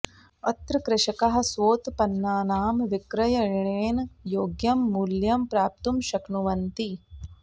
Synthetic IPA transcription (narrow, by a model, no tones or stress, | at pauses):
ɐt̪ɾɐkɾɪʃɐkɐɦɐ̆sʋoːt̪pɐnːaːnaːmʋɪkɾɐjɐɻɳeːnjoːɡjɐmːuljɐmpɾaːp̚t̪umʃɐknuʋɐnt̪i